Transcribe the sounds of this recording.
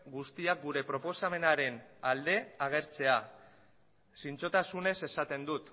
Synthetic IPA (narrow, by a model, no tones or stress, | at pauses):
ɡust̪iak̚ɡuɾe̞pɾo̞po̞same̞naɾe̞nald̪e̞aɣ̞e̞ɾt͡se̞a | sint͡so̞t̪asune̞se̞sat̪e̞nd̪ut̪